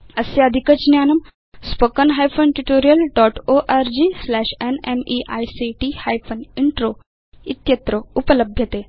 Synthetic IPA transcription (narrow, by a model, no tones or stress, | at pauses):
əseɐd̪ʱikət͡ʃnjaːnɐm | spəkənɦajfʰonʈuʈoːɾijəlɖɔʈoʔaɾd͡ʑislæʃenemiʔa̰jsiʈihajfʰoniɳʈɾo | it̪jɐt̪ɾoupələbʱjɐt̪e